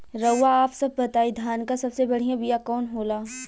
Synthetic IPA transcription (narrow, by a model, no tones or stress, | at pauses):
ɾɐːaaːpsɐb̚ːɐt̪aːid̪ʱjaːnkasɐbsebɐɽ̤ijãbijakɔːnɦoːlaː